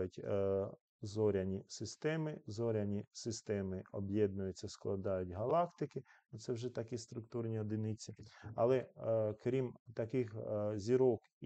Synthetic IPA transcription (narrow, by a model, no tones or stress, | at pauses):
jʊtʲ | zɔɾʲɐnʲisɪst̪ɛmɪzɔɾʲɐnʲisɪst̪ɛmɪɔ̰bjɛd̪nʊjʊt͡sʲːɐsklˠɐd̪ɑjʊtʲɦɐlˠɑkt̪ɪkɪnut̪sɛwʒɛt̪ɐkist̪ɾʊkt̪urnʲiɔd̪ɪnɪt͡sʲiɐ̰lˠɛkɾʲimt̪ɐkɪxzʲiɾɔk